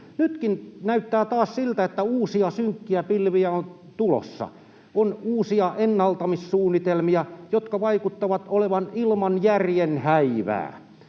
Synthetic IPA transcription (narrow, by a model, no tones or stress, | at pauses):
nyt̪kinnæyt̪ːæːt̪ɑːssilt̪æet̪ːæuːsiɑsyŋkːiæpilʋiæon | t̪ulo̰sːɑ̰ | onuːsiɑʔenːɑlt̪ɑmissuːnːit̪elmiɑjot̪kɑʋɑikut̪ːɑʋɑt̪oleʋɑnilmɑnjærjenhæiʋæ̰ː